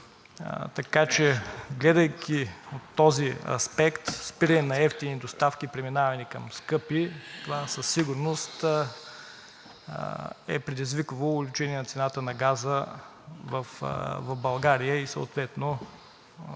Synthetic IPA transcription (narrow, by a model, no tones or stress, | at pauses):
t̪ɐkat͡ʃɛɡlɛd̪əjkʰʲiot̪ːɔziɐ̰spɛkt̪spiɾɐnɛnɐɛft̪inid̪ost̪afkʲipɾɛminavɐnikɐmskɤpit̪ovasəsːiɡʊɾnost̪ | ɛ̰pɾɛd̪izvikəvoːlʲut͡ʃɛniɛnɐt̪sɛnat̪ənɐɡazə | vɐfvɐvbɐlˠɡaɾijəiso̰o̰t̪vɛt̪no